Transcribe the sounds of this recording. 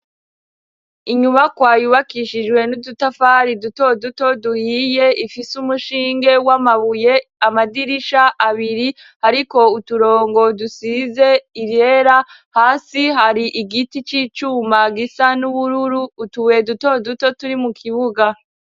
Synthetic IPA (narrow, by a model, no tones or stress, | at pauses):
iɲumakwaːjuβakiʃid͡ʒɡwe̞nudutafaɾiduto̞duto̞duhiːje̞ifisumuʃiːŋɡe̞wamaβujeamadiɾiʃaʔaβiɾi | haɾiko̞utuɾo̞ːŋɡo̞dusize̞iɾje̞ɾa | haːsiɦaɾiʔiɡitit͡ʃiːt͡ʃumaɡisanuβuɾuɾuːtuwe̞duto̞duto̞tuɾimukʰiβuɡa